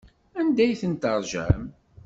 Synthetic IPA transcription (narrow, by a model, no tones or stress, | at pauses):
ænd̪æjθənt̪ɑɾˤʒæ̰m